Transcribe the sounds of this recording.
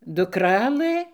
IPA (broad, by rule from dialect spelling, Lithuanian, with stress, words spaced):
dʊˈkrɑːlˠɘ